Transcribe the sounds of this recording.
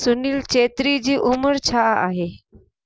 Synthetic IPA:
suniːlt͡ɕet̪ɾid͡ʑiːʔuməɾt͡ɕʰaaɦe

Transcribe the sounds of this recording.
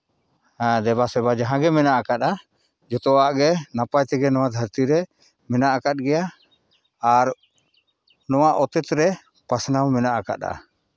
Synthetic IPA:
ãd̪ɛbasɛbad͡ʒaɦãɡɛmɛnaʔakat̪̚a | d͡ʒɔt̪ɔwaʔɡɛnapajt̪ɛɡɛnɔwad̪ʱəɾt̪iɾɛ | mɛnaʔakat̪̚ɡɛjaː | ɾ | nɔwaʔɔt̪ɛt̪ɾɛ | pasnawmɛnaʔaka̰t̪a̰

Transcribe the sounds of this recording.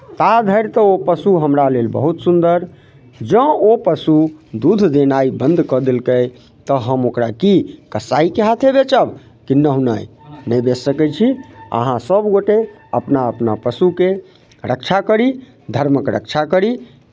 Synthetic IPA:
t̪ad̪ʱəɪɾt̪əopəsuɦəmɾalelbə̰ɦut̪sund̪əɾ | d͡ʒə̃opəsud̪ud̪ʱd̪enaibənd̪ʱkəd̪elkəj | t̪əɦəmokɾakikəsaikeɦat̪ʰebet͡ʃəb | kinːəɦunajnəjbesəkɛjt͡ʃʰiə̰ɦãsəbɡoʈe | əpnaəpnapəsuke | ɾək̚t͡ʃʰakəɾi | d̪ʱəɾməkɾə̰kt͡ʃʰakəɾi

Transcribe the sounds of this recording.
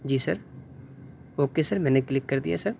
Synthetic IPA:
d͡ʒiːsɐɾ | oːkesɐɾmɛ̃ːneklɪkːɐɾd̪ija̰sɐɾ

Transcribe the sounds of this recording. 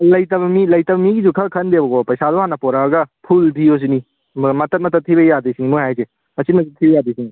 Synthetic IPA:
lɐjtɐbɐmilɐjtɐbɐmiɡizukʰɐkʰɐnd̪ebɐɡopɐjsad̪oɦanɐpɔɾabɐɡɐpʰultʰios̬ini | mɐt̪ɐt̚mɐt̪ʰɐt̪ʰibɐjad̪isinimojɦajse | ɐsit̚mɐtitʰibɐjad̪isini

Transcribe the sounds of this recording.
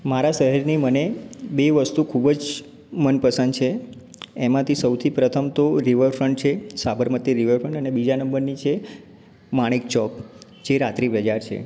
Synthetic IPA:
maɾasəɦəɾnimənebeʋəst̪ukʰubd͡ʒ | mənpəsənd̪t͡ʃʰe | emãt̪ʰisəwt̪ʰipɾət̪ʰəmt̪oɾiʋəɾfɾəɳʈ̚t͡ʃʰesabəɾmət̪iɾiʋəɾfəɳʈənebid͡ʒanəmbəɾnit͡ʃʰe | maɽ̃ik̚t͡ʃɔp | d͡ʒeɾat̪ɾipɾəd͡ʒaɾt͡ʃʰḛ

